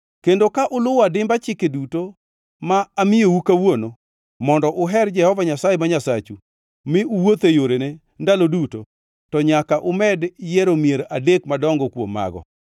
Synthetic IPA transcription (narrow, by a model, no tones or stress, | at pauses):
kendokaʔʊlʊwadɪmbat͡ʃɪkeduto | maːmɪowukawono | mɔndɔʔʊɦɛrd͡ʒɛhɔvaɲasajemaɲasat͡ʃu | mɪʊwot̪ejoɾene | ndaloduto | tɔɲakaʔʊmɛdjɛɾomieɾadekmadɔŋɡɔkwo̰mːa̰ɡɔ̰